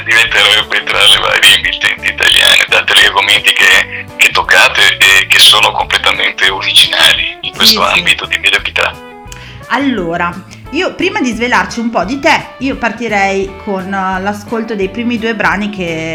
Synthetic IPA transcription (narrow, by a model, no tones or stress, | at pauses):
d̪ivent̪eɾɛbːet̪ɾalːeva̰ːɾjeimvilt̪ɛnt̪iːt̪a̰lja̰ːnḛd̪aːt̪elarɡoment̪ikek̟et̪ːokːaːt̪eʔekesoːnokomplet̪ament̪euɾid͡ʒinaːliiŋkwest̪oambit̪od̪imed̪okit̪a̰ | alːoːɾa | iːopɾiːmad̪izvelart͡ʃiumpɔd̪it̪ɛiːopart̪iɾɛjkʰonlaskolt̪od̪ejpɾiːmid̪uːebɾaːnikʰe